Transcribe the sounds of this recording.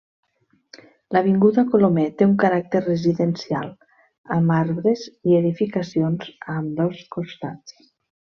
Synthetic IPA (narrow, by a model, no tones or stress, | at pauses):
ləβ̞iŋɡuðəkolomɛt̪euŋkaɾak̚t̪eɾreziðensia̰lˠ | əmaɾβɾezieðifikasionz̥əmd̪ɔskost̪at͡s